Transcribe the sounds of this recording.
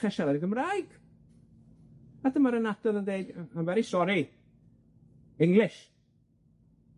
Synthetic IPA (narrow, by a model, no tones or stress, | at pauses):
ɛʃaɾadəɡəmraɨɡ̥ | adəmaɾənadɔðəndeɨdanvɛɾisɔɾi | ɪŋlɪʃ